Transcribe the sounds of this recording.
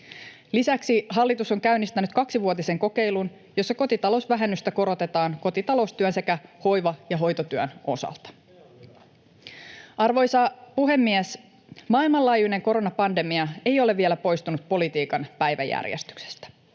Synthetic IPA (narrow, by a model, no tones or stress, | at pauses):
lisæksiɦɑlːit̪uso̞ŋkæynist̪ænyt̪kɑksiʋuot̪ise̞ŋko̞ke̞jlun | jo̞sːɑko̞t̪it̪ɑlo̞sʋæɦe̞nːyst̪æko̞ɾo̞t̪e̞t̪ɑːŋko̞t̪it̪ɑlo̞st̪yønse̞kæho̞jʋɑjɑɦo̞jt̪ot̪yøno̞̰sɑ̰lt̪ɑ̥ | ɑrʋo̞jsɑpuɦe̞mːies | mɑːilmɑlɑːjune̞ŋko̞ɾo̞nɑpɑnde̞miɑe̞jo̞leʋie̞læpo̞jst̪unut̪̚po̞lit̪iːkɑnpæjʋæ̰jæ̰rjḛst̪y̥kse̥st̪æ̥